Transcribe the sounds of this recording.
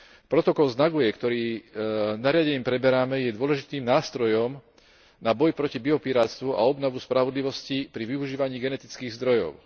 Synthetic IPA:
pɾɔt̪ɔkɔlznaɡujɛkt̪ɔɾiː | naɾɪaɟɛɲiːmpɾɛbɛɾamɛjɛd̪ʊɔlɛʒit̪iːmnaːst̪ɾɔjɔm | nabɔjpɾɔcibiɔpiɾaːt̪st̪ʋuʔa̰ɔbnɔʋuspɾaʋɔd̪liʋɔscipɾiʋiuʒiːʋaɲiːɡɛnɛt̪it͡skiːɣzd̪ɾɔjɔ̰ʊ

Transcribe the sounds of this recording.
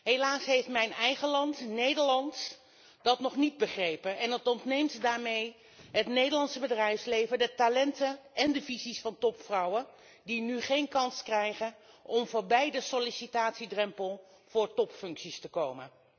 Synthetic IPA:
ɦelaːsɦejftmɛjnɛjχəlɑntnejdəɹlɑnt | d̥ɑtnɔχnid̚bəχrejpənɛnətɔntnejmtdaːɹmej | ɦətnejdəlɑnsəbədrɛjfslejvədətalɛntənɛndəvizisfɑntɔpfrɑwə | dinyχejnkɑnskrɛjχənʔɔmvʊːɹbɛjdəsɔlisitaːtsidrɛmpəlˠ | v̥ʊːɹtɔpfɵŋksistəkowmən

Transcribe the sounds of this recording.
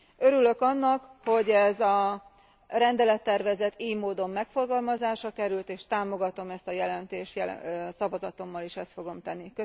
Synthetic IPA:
øɾylø̞kɒnːɒkho̞ɟɛzɒ | rɛnd̪ɛlɛt̪ːɛrvɛzɛt̪iːɲmoːd̪o̞mːɛkfo̞rɡɒlmɒzaːʃɒkɛɾylt̪eːʃt̪aːmo̞ɡɒt̪o̞mɛst̪ɒjɛlɛnt̪eːʃjɛ̰sɒvɒzɒt̪o̞mːɒliʃɛst̪fo̞ɡo̞mt̪ɛnːikø

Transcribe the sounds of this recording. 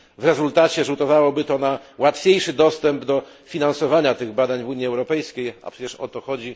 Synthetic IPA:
vɾɛzult̪at͡ɕɛʐut̪ɔvawɔbɘt̪ɔnawat̪fʲjejʂɘd̪ɔst̪ɛmbd̪ɔ | fʲinansɔvaɲat̪ɘɣbad̪aɲvuɲiɛwɾɔpɛjskʲeja̰pʂɛt͡ɕɛʂɔ̰t̪ɔxɔd͡ʑi

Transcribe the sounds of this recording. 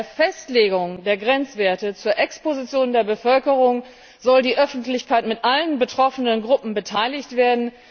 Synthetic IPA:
eɐfɛstleːɡʊŋdeːɐɡʁɛnt͡sv̥eːɐtət͡suːɐʔɛkspozit͡sjoːndeːɐbəfœlkəʁʊŋ | zɔldiːʔœfn̩tlɪçkʰaɪtmɪtʔalənbətʁ̥ɔfənənɡʁʊpm̩bətʰaɪlɪçtv̥eːɐdn̩

